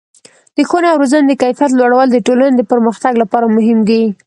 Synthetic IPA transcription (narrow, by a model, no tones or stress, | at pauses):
d̪̥əxonawɾozand̪əkajfijat̪̬lwaɽawəld̪əʈolaned̪əpəɾməxt̪aɡlapɑɾamʊɦɪmɡii